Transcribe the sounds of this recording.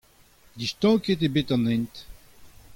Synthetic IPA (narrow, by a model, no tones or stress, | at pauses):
d̪iʃt̪ɔ̃ket̪̬ebet̪ɑ̃nɛ̃nt̪